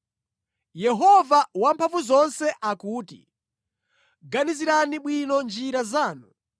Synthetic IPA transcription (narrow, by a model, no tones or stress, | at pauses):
jɛɦɔvawampʰaɱvuzɔnsɛʔakuːtḭ | ɡaniziɾaniɓwinɔnd͡ʒiɾazaːnu